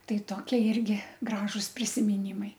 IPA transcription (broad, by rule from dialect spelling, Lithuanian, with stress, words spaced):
ˈtɐɪ ˈtoːkʲiɛ ˈɪrʲɡʲɪ ˈɡrɑːʒʊs pʲrʲɪsʲɪmʲɪˈnʲiːmɐɪ